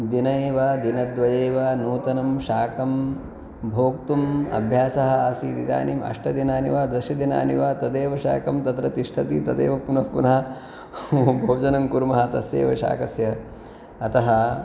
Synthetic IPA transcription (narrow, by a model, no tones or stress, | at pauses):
d̪inɐeːʋɐd̪inɐd̪ʋɐd͡ʒeːʋɐnuːt̪ɐnɐmʃaːkɐm | bʱoːk̚t̪umɐ̰bʱjaːsɐɦɐaːsid̪id̪a̰ːnimɐ̰ʂʈɐd̪inaːniʋaːd̪ɐʃɐd̪ina̰ːnḭʋaːt̪ɐd̪eːʋɐʃa̰ːkɐmt̪ɐt̪ɾɐt̪iʂʈʰɐt̪it̪ɐd̪ḛːʋɐpunɐpunɐɦɐ | bʱoːd͡ʒɐnɐmkuɾmɐɦɐt̪ɐsjḛːʋɐʃa̰ːkɐsjɐ | ɐt̪ɐɦɐ